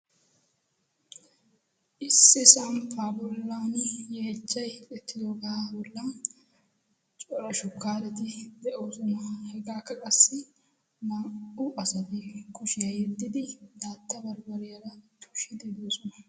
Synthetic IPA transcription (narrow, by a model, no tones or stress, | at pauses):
ʔɪsːɪsɐmpaːbɔlːaːnjɛɛt͡ʃːɐjlʼɛt̪ːɪd̪oːɡɐabɔlːan | t͡ʃʼɔɾɐʃʊkːaːɾɛt̪ɪd̪ɛʔoːsɔnɐhɛɡaːkːɐkʼɐsːɪ | nɐʊʔɐsɐt̪ɪkʊʃɪjɐjɛd̪ːɪd̪ɪd̪aːt̪ːɐbɐɾbɐɾɪjɐɾɐt̪ːʊ̥ʃɪd̪ɛd̪oːsɔnɐ̥